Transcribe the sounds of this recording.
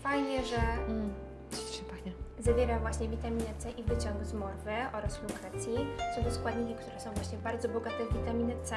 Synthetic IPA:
fajɲɛʐɛm̩ | ʂɛpaɲɛzavʲjɛɾavwaɕɲɛvʲit̪amʲinɨt̪sɛʔivɘt͡ɕɔŋɡzmɔɾvɘʔɔɾasflʲukɾat̪sʲjisɔd̪ɔskwad̪ɲikʲɛkt̪uɾɛsɔ̃w̃vwaɕɲɛbaɾd̪zɔbɔɡat̪ɛvʲit̪amʲinɛt̪sɛ

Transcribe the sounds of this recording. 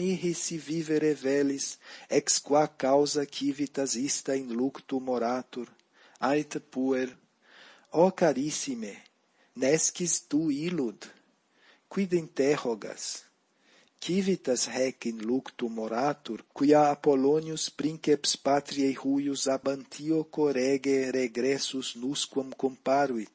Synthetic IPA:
miɦisiviveɾevɛlisɛkskwakawzɐkʰivit̪ɐzist̪ɐĩnlukt̪umoɾat̪uɾ | ajt̪pueɾ | ɔkaɾisime | nɛskist̪uilud̪ | kwid̪ent̪ɛhɔɡa̰s | kivit̪ashɛkinlukt̪umoɾat̪uɾkiaːpolonjuspɾĩŋkepspat̪ɾiejhujuzabɐnt̪ʰiokoɾɛɡeɾeɡɾɛsuznuskwomkompaɾwit̪

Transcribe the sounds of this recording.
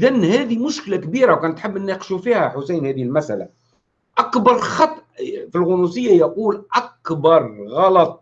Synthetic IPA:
ʔd̪ænhæːd̪imʊʃklakbiɾawkænt̪ħəbːʔənːiqʃufihæħʊsæjnhæd̪ihəlmæsʔæla̰ | ʔækbɑɾˤxɑt̪ˤʔfilɣʊnusəjːajaquːlʔækbɑɾˤɣɑlɑt̪ˤ

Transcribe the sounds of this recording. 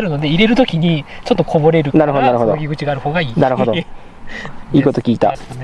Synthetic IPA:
ɾɯ̟no̞d̪e̞iɾe̞ɾɯ̟t̪o̞kʲiɲ̟it͡ɕo̞t̪ːo̞kʰo̞bo̞ɾe̞ɾɯ̟naɾɯɦod̪onaɾɯ̟ɦod̪okʲiɡɯ̟t͡ɕiɡaːɾɯ̟ho̞ːɡaiːnaɾɯ̟ɦod̪o | iːko̞t̪okʲiːt̪a̰t̪ane

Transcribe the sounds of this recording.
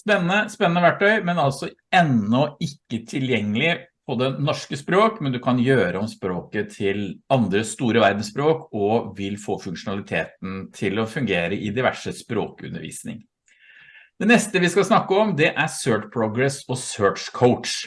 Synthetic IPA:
spɛnːənəspɛnːənəʋæʈʰːœʏmɛnɑlsɔ | ɛnːɔɪkːət̪ʰɪljɛŋːəlɪpʰɔd̪ɛnɔʂkəspɾoːkmɛnd̪ʉkʰɑnjøːɾəɔmspɾoːkət̪ʰɪlɑnd̪ɾəst̪uːɾəʋæɾd̪n̩spɾoːkɔʋɪlfoːfʉŋkʂʊnɑlɪt̪ʰḛːt̪n̩t̪ʰɪlɔfʉŋɡeːɾəʔɪd̪ɪʋæ̰ʂəspɾo̰ːkʉ̰nːə̰ɾʋḭːsnɪ̰ŋ | d̪ɛnɛst̪əʋɪskɑlsnɑkːəɔmd̪ɛʔæsøːpʰɾɔɡɾɛsɔsøːʈkʰɔʊtʂ

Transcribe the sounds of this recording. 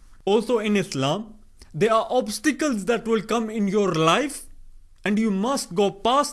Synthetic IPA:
ɔːlsoːɪ̃nɪslãːm | d̪eːɾaːɾʔɔːbsʈɪkəlzd̪æʈʋɪlkʌ̃mɪ̃njoːɾlaɪf | ɛ̃ɳɖjuːmɐsʈ̚ɡoːpaːs

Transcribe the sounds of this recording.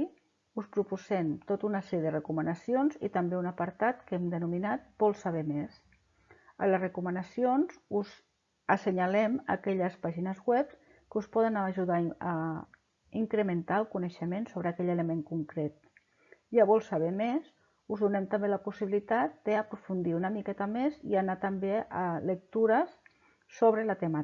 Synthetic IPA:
uspɾupuzɛmt̪ot̪unəsɛɾjəðərəkumənəsionzḭt̪əmbeunəpəɾt̪at̪kɛmd̪ənuminat̪̚bɔlˠsəβɛmes | ə̰ləzrəkumənəsionzuz | əsəɲalɛmə̰kɛʎəspaʒinəzɣwɛps | kəuspɔðənəʒuðaə | iŋkɾəmənt̪aəlˠkuneʃəmensoβɾəkɛʎələmeŋkuŋkɾet̪̚ | ʒaβɔlˠsaβɛmez | uzðunɛmt̪əmbeləpusiβilit̪at̪̚d̪̥əːpɾufund̪iunəmikɛt̪əmezḭanat̪əmbeələk̚t̪uɾəs | soβɾələt̪ema

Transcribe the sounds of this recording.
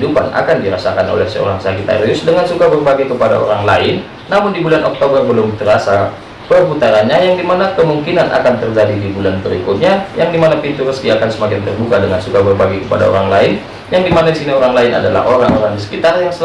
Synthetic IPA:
dupa̰na̰kandiɾasakanʔo̰lɛhsə̰o̰ɾaŋsakit̪a̰ɾiʊsdəŋansukabərbaɡajkəpada̰o̰ɾaŋlaɪnː | amʊndibulanʔɔ̰k̚t̪obərbəlʊmt̪əɾasa | pərput̪aɾanɲajaŋdimanakəmuŋkinanʔa̰kant̪ərd͡ʒadidibulanpəɾikʊt̪̚ɲajaŋdimanapint̪uɾəskiakansəmakɪnt̪ərbukadəŋansukabərbaɡajkəpada̰o̰ɾaŋlaɪn | jaŋdimanadisinioɾaŋlaɪnʔa̰dala̰hoɾaŋoɾaŋdisə̥kit̪arjaŋsə

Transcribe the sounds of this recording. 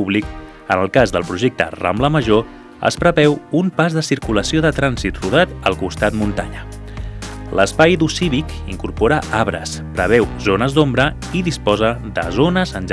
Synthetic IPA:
uβlik | ənəlˠkazðəlˠpɾuʒek̚t̪ə̰ra̰mbləməʒo | ə̰spɾəβɛwumpazðəsiɾkuləsioðət̪ɾanzit̪ruð̞at̪əlˠkust̪at̪munt̪aɲə | ləspajd̪usiβik | iŋkuɾpoɾəʔaβɾə̰spɾəβ̞ɛwzonəzd̪ombɾə | iðispɔzəðə̰zonəzənʒ

